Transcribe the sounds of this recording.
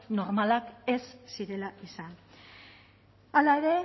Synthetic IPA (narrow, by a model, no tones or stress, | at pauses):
no̞ɾmalake̞sːiɾe̞laʔisan | alae̞ɾe̞